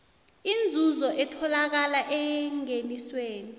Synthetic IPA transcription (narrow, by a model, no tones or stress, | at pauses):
ind͡zʱuzɔʔɛtʰɔlak̬alaʔɛŋenisweːni